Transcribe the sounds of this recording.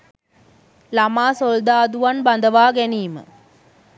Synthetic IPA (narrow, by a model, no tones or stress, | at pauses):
lɐmaːsɔld̪aːd̪uʋanbɐnd̪ɐʋaːɡeniːmɨ̰